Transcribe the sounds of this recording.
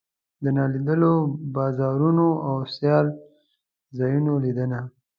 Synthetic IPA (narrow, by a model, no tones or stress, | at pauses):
d̪ənɑlid̪əlobɑzɑɾunoʔawsjɑl | zɑjunolid̪əna